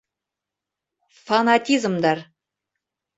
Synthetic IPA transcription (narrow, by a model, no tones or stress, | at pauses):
fanat̪ʲizmd̪ɑɾ